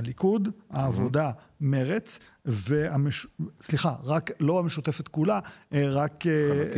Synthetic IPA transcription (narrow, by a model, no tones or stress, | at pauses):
alikud̪haːvo̞d̪a | meʁet͡sveameʃsliχaʁaklo̞ameʃut̪efet̪kulaeʁake